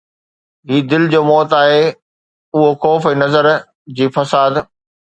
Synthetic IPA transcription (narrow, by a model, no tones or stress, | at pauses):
ɦiːd̪ɪlɪd͡ʑoːmɔːt̪aːɦe | ʊɦoxɔːfɛ̃ːnɐzəɾ | d͡ʑiːfɐsaːd̪